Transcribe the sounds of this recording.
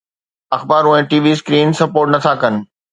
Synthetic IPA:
ɐxbaːɾʊ̃ɦẽʈiːʋiːskɾiːnsɐpoːɾʈnɐt̪ʰakɐnɪ̆

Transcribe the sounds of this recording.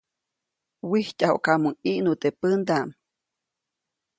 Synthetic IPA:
wihcaho̰ʔkamuŋiʔnut̪epənd̪am

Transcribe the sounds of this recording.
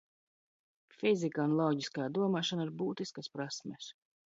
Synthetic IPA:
fizikaunlˠɔɟiskaːd̪uɔmaːʃɔnaiɾbuːt̪iskaspɾasmʲɛs

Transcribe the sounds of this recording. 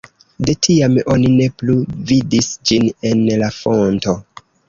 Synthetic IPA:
de̞tʰiamo̞nine̞pluvidisd͡ʒine̞nlafo̞nto̞

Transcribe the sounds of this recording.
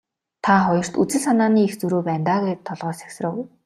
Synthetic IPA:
t̪ʰaχɔjɞ̆r̥t̪ut͡sɘ̆ɮsanaːniːext͡suɾoːpæːnt̪aːɣeːt̪ʰːɔɮʁɔːsæ̥ksrə̆w

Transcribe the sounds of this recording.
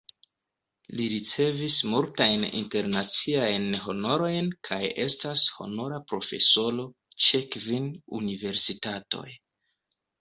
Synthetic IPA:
liɾit͡se̞vismultajnḭnte̞ɾnat͡siajnɦo̞no̞ɾo̞jnkʰaje̞stasho̞̰no̞ɾapɾo̞fe̞̰so̞lo̞ | t͡ʃekvinunive̞ɾsitato̞̰j

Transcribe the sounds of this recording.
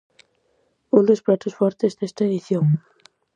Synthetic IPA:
uld̪esplat̪osfoɾt̪ezðest̪aeðiθjoŋ

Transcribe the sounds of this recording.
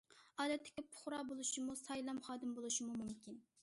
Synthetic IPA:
ɑːd̪ɛt̪ʰːɪ̥kʲɪpʰʊ̥χɾɑːbolˠuʃimusɑjlˠɑmχɑːd̪ɨmbolˠuʃimumumkʲin

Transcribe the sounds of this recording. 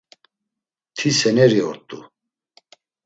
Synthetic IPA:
t̪ʰisɛnɛɾiɔ̰ɾt̪ʼṵ

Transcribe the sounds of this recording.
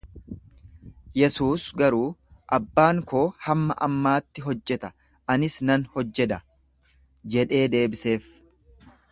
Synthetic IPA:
jɛsuːsɡɐɾuːʔɐbːaːŋko̞ːhɐmːɐʔɐmːaːt̪ːɪɦɔd͡ʒːɛt̪ɐ̥ | ʔɐnɪsnɐnhɔd͡ʒːɛd̪ɐ | d͡ʒɛᶑe̞ːd̪e̞ːbɪse̞ːf

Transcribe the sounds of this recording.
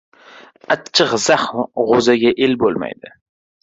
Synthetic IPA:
at͡ʃʰːɨqz̥aχmʁozaɡʲaʔelbolˠma̰jd̪ɪ

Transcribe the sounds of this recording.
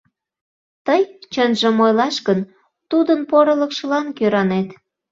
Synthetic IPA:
t̪əjt͡ɕənʒə̆mojlɑʃkən | t̪ud̪ənpoɾələkʃəlɑnkøɾɑnet̪

